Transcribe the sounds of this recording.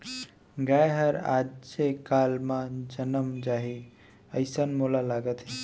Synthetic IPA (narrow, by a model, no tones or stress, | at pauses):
ɡajɦəɾa̰d͡ʒsekalmãd͡ʒənəmd͡ʒaɦi | əjsənmolalaɡət̪ɦi